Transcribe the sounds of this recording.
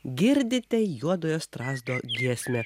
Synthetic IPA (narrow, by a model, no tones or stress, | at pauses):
ɡʲɪɾʲd̪ʲɪt̪ʲɛjuɔd̪oːjoːst̪ɾɑːzd̪oːɡʲiɛsʲmʲɛ